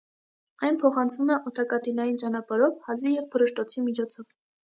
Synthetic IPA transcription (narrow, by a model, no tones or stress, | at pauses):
ɑjnpʰɔχɑnt͡sʰvumɛʔɔt̪ʰɑkɑt̪ilɑjint͡ʃɑnɑpɑɾɔvhɑzijɛvpʰəɾəʃt̪ɔt͡sʰimit͡ʃʰɔt͡sʰɔv